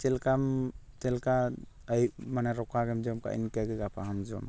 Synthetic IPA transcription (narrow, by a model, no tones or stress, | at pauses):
t͡ʃɛlkam | t͡ʃɛlka | əjmanɛɾɔkaɡɛmd͡ʒɔmka̰ḭnkaɡɛɡapʰa̰ɦamd͡ʒɔ̰na